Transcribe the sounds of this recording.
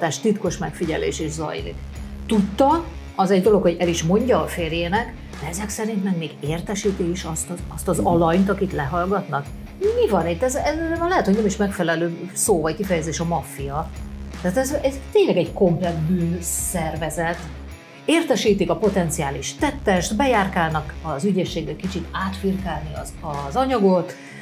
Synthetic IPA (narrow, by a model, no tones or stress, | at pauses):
t̪aːʃt̪it̪ko̞ʃmɛkfiɟɛ̰lḛːʃeːʒzɒ̰jlḭk | t̪ut̪ːɒ | ɒzɛɟd̪o̞lo̞kho̞ɟɛliʃmo̞ɲɟɒːfeːrjeːnɛk | d̪ɛɛzɛksɛɾint̪mɛɡmeːɡeːrt̪ɛʃiːt̪iʃɒst̪ɒɒst̪ɒzɒlɒɲt̪ɒkit̪lɛɦɒlɡɒt̪nɒk̚ | mivɒnit̪ːɛzɛznɒlɛɦɛt̪hoɟnɛmiʃmɛkfɛlɛløːsoːvɒckifɛjɛzeːʃɒmɒfijɒt̪aːt̪ɛzɛzt̪eːɲlɛɡɛɟko̞mplɛkt̪byːnsɛrvɛzɛt̪ | eːrt̪ɛʃiːt̪ikɒpo̞t̪ɛnt̪siaːliʃt̪ɛt̪ːɛʃt̪bɛjaːrkaːlnɒkɒzyɟeːʃːeːɡbɛkit͡ʃit̪aːt̪firkaːlniɒ̰zɒzɒɲɒɡo̞t̪